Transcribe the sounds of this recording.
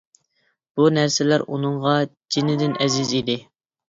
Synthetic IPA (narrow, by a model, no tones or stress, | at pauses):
b̥unæɾsɪlæɾʔṵnɨɴʁɑd͡ʒinɪd̪ɪnʔɛzɪzid̪ɪ